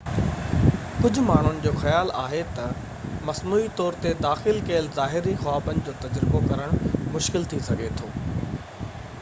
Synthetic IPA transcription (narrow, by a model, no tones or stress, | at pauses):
kʊd͡ʑʱʊ̆maːɳ̤ʊnɪ̆d͡ʑoːxɐjaːlaːɦet̪ɐ | mɐsnuːit̪ɔːɾt̪ed̪aːxɪlkɐəlzaːɦɪɾixaːbənɪ̆d͡ʑoːt̪ɐd͡ʑɾɪbokɐɾəɽ̃mʊʃkɪlt̪ʰisɐɡʱet̪ʰoː